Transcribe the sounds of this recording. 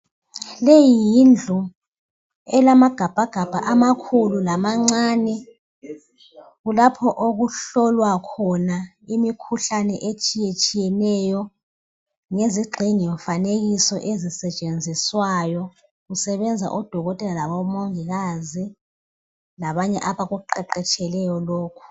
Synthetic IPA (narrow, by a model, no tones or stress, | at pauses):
lejijind͡ɮʱu | ɛlamaɡ̥ʱab̥ʱaɡ̥ʱab̥ʱaʔamakʰululamaŋ͡ǀaːnɛ | ɣulapʰɔʔoɣuɬɔlwakʰɔna | imikʰuɬanɛʔet͡ʃʼijet͡ʃʼijɛnɛjɔ | ŋeziɡ͡ǀʱinijɔɱfaneɣisɔʔezisɛt͡ʃʼend͡zʱiswajɔ | ɣusɛβɛnd͡zʱa̰ʔɔd̥ʱɔɣɔtʼɛlalaβɔmoŋiɣazi | laβaɲɛ̰ʔaβaɣuǃɛǃɛt͡ʃʼɛlɛjɔloːkʰu̥